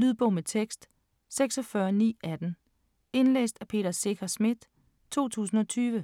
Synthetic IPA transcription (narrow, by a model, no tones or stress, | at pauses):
lyð̞ˠb̥ɔ̽ʊ̰met͡sʰeɡ̥sd̥ | seɡ̥sɒ̽fɶɐnḭːæd̥n̩ | e̝nlḛːsd̥æpʰe̝̰ːd̥ɐse̝ɡʰɐsmid̥ | t͡sʰo̝̰ːt͡sʰṵːsn̩ɒ̽t͡sʰyːʋə